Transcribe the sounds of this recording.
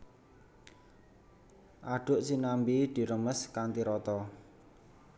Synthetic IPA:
ʔaɖ̥ʊ̤ʔsinambid̪̥i̤ɾəməskant̪iɾɔt̪ɔ

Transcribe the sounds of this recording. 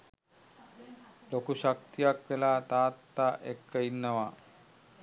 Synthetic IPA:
lokuʃak̚t̪ijakʋelat̪aːt̪ːaʔekːəinːəʋa

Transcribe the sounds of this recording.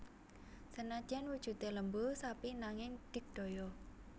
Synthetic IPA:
sənad̥ʒ̥anwud̥ʒ̥ṳt̪eləmbusapinaŋɪŋɖ̪̥ɪ̤k̚d̪̥ojɔ

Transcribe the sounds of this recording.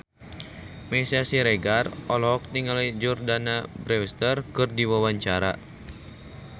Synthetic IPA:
mɛsiasiɾɛɡarɔlɔɔk̚niŋalad͡ʒɔrdanabɾɛwst̪ərkɨrdiwawaɲt͡ʃaɾa̰

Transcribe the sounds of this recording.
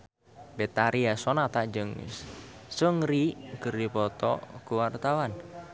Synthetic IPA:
bet̪aɾiasɔnat̪ad͡ʒəŋ̰ssəŋriɡəɾipɔt̪ɔ̰kuwart̪awan

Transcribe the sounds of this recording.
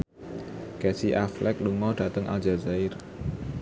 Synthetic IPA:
kɛsiʔaflɛk̚luŋɔd̥at̪əŋʔa̰ld͡ʒazaɪr

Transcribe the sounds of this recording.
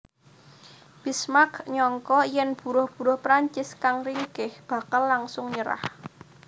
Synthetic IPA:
b̥ismakɲɔŋkɔjɛnb̥ṳɾʊhb̥ṳɾʊhpɾaɲt͡ʃɪskaŋriŋɡɪhb̥a̤kalːaŋsʊŋɲəɾa̰h

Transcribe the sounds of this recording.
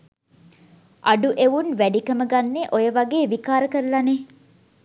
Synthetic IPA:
ʔɐɖuʔeʋunʋæɖikɐməɡɐnːeʔojɐʋɐɡeːʋikaːɾəkəɾlɐne

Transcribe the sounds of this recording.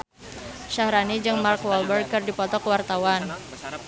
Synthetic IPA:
ʃahɾanid͡ʒɨŋmarkwɔlbərkɨrdipɔt̪ɔkəwart̪awan

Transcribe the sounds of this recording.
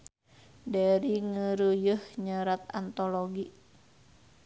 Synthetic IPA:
daɾiŋəɾujəhɲəɾat̪a̰nt̪oloɡi

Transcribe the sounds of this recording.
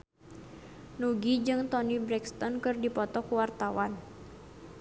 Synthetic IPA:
nuɡid͡ʒɨŋt̪ɔnibɾɛkst̪ɔnkɨrdipɔt̪ɔkuwart̪awan

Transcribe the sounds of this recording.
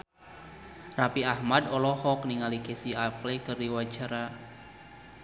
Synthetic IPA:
rapiahmadɔlɔhɔk̚niŋalikesiaplekɨrdiwat͡ʃaɾa

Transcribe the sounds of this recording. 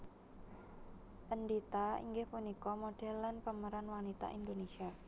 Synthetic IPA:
ʔəndit̪aḭŋɡɪhpunikɔmoɖ̥ɛ̤lːanpəməɾanwanit̪a̰ʔind̪onesia

